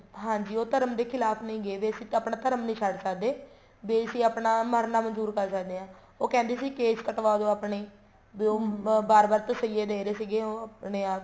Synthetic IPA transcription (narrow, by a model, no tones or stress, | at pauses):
ɦãːɲd͡ʒiːoːt̪əɾəmd̪eːkʰɪlaːpʰnəĩːɡeːʋeːəsiːaːpɳaːt̪əɾəmnĩːt͡ʃʰəɖsəkd̪eː | ʋeːəsĩːaːpnaːməɾnaːmənzuːɾkəɾsəkd̪eːãː | oːkɛ̃ːnd̪eːsiːkeːt͡ʃkəʈʋaːd̪õːaːpɳeː | boːbaːɾbaːɾt̪əsəieːd̪eːɾeːsiːɡeːoːapneːaːp